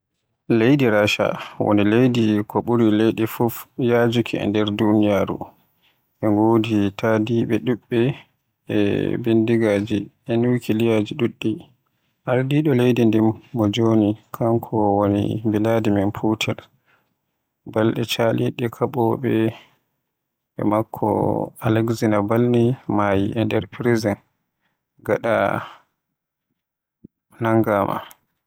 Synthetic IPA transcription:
lejdiɾaːʃa̰wo̰nilejdikʰɔɓuɾilejɗɛfufjaːd͡ʒukʰiɛ̰ndɛɾdunijaːɾṵ | ʔɛŋɡoːditʰadiːɓɛɗuɓːɛ | ɛ̰bendiɡaːd͡ʒiʔɛnukʰilijaːd͡ʒiɗuɗːi | ʔaɾdiɗɔlejdindimːɔd͡ʒoːnikʰaŋkʰɔwonḭmbiladimɛnpʰutʰɛl | balɗɛt͡ʃaliɗɛkʰaɓɔɓɛ | ɓɛ̰makʰːɔ̰alɛksinabalnimajiʔɛndɛɾpɾizɛn | ɡaɗa̰ | naŋɡaːmʔa̰

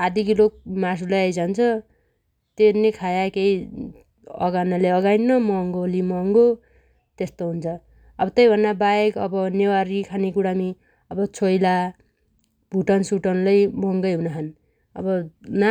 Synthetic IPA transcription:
ad̪ikilok̚mas̬ulajajd͡zant͡sʰʌ | t̪enekʰajakej | ʌ̰ɡanaleʌɡajnːʌmʌŋɡolimʌŋɡo | t̪est̪oɦunt͡sʰʌ | ʌbʌt̪ʌjbʱʌnːabaekʌ̰bʌnewaɾikʰanikuɽami | ʌbʌt͡sʰojla | b̥ʱuʈʌnsuʈʌnlʌjmʌŋɡʌjɦunaɦʰan | ʌ̰bʌna

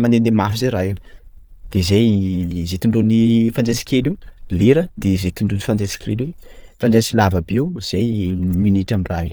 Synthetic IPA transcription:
mand̪end̪emafizeɾae | d̪̥ezejzet̪iɳɖ͡ʐonifand͡zesi̥kʲeluleɾəd̪̥ezet̪iɳɖ͡ʐonifand͡zesi̥kʲirelefand͡zensilavabewz̥ejminiʈ͡ʂamiraɦ

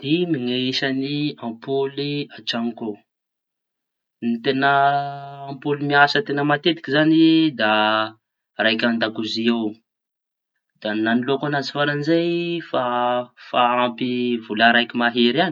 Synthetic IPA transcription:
d̪̥imiŋeiʃaniãmpoliaʈ͡ʂaŋko | nit̪enə̃ː | mpolimiasət̪enəmat̪et̪i̥kʲizanid̪a | rajkʲand̪akuziew | d̪̥ananilokanazi̥faɾanizejfafaampivulaɾajkʲimaɦeɾan

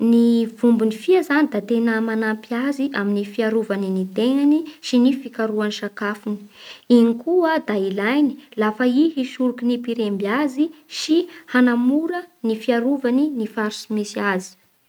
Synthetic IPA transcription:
nivumbunifiazanid̪at̪enəmanampiaziʔaminifiaɾuvaninid̪eŋaniʃinifikaɾuaniʃakafuni̥inikuəd̪ailajni̥lafaiɦiʃuɾukinipiɾembiaziʃihanamuɾənifiaɾuvaninifaɾsimisiazi̥

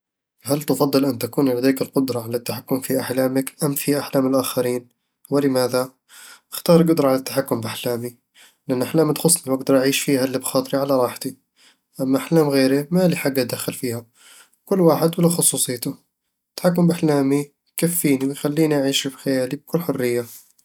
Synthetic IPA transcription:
halt̪ɑfɑðˤːɨlʔɪnːt̪akuːnlad̪aːkɪlqʊd̪ɾˤɑʕalat̪ːaħakːʊmfiʔaħlaːmɪkʔamfiʔaħlaːmɪlʔaxaɾiːn | wɪlɪmaːða | ʔɪxt̪ɑːɾˤɡʊd̪ɾˤɑʕalat̪ːaħakːʊmbʔaħlaːmi | lɪʔanːʔaħlaːmd̪xʊsˤniwʔaɡ̚d̪ɑɾˤʔaʕiːʃfiːhalːibxɑːt̪ˤɨɾiʕalaɾˤɑːħt̪i | ʔamːaʔaħlaːmɣeːɾimaliħaɡːat̪̚d̪axːalfiːha | kʊlːwaːħɪd̪wɪlːaxʊsˤuːsˤɨjːt̪ʊ | t̪ːḁħakːʊmbʔaħlaːmi | kafːiːniwɪjxalːiːniʔaʕiːʃfixajaːlib̚kʊlːħʊrːɪjːa

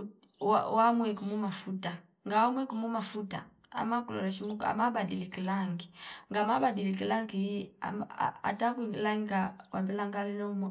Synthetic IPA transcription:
u | wa̰wamwɛkumumafuta | ŋɡawamwɛkumumafuta̰ | a̰makulɔ̰lɛʃimuka̰mabadilikilaŋɡiŋɡamabadilikilaŋɡijia̰m̰a̰takuikilaŋɡikakwabɛlaŋɡalinɔmɔ

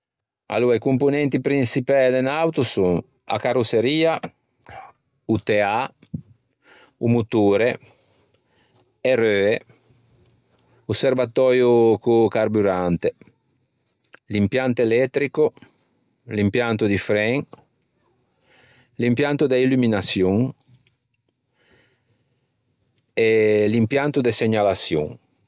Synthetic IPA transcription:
a̰luaikumpunɛnt̪ipɾinsipɛd̪enawt̪usuŋ | a̰karoseɾiːa | ut̪ea | umut̪uːɾe | erøːe | uservat̪ɔːjokukarbuɾant̪e | limpjant̪elɛt̪ːɾiko | limpjant̪ud̪ifɾɛŋ | limpjant̪ud̪eilyminasjuŋ | elimpjant̪ud̪eseɲalasjṵŋ

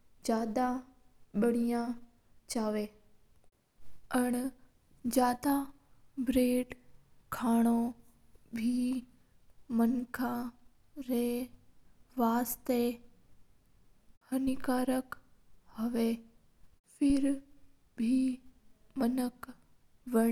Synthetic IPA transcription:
d͡ʑjaːd̪ãɓəɽ̤̃ijã | t͡ʃaːʋeː | ɐɽ̃ | d͡ʑjaːd̪a | bɾeːɖkʰaːɽ̃o | bʱi | mɐnkʰã | ɾɛe | ʋaːst̪e | hɐnɪkaːɾəkhɐʋe | fʰɪɾ | bʱi | mɐnək | ʋɐɽ

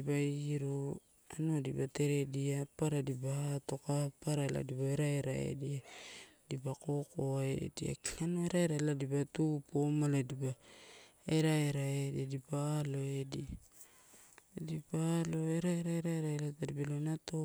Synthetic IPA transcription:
ibaiɾo | anoadḭbate̞ɾe̞diapaɾadibaato̞kapaɾala̰dibaeɾaeɾa̰ḛdiadibako̞koaḛdia̰kanoeɾaeɾaladibatupomaladiba | eɾaeɾaediadibaːlo̞edia | dibaːlo̞eɾaeɾaeɾaeɾaelatadibalonato

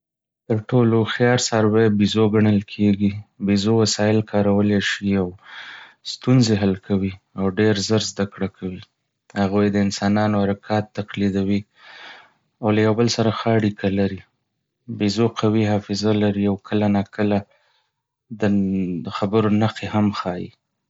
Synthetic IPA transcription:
t̪əɾʈoloxjɑɾsɑɾwebizoɡaɳəlkʰeɡibizowasɑjɪlkʰɑɾawəleʃiaw | st̪unzeɦalkʰawi | awɖeɾzəɾzd̪akɽakʰawi | haɣujd̪əɪnsɑnɑnohaɾakʰɑt̪ːaqlid̪awi | awlajawbəlsaɾaxəaɽikʰalaɾi | bizoqʰawiɦɑfɪzalaɾiawkʰəlanɑkʰəla | d̪əxabəɾonaqehamxɑjḭ

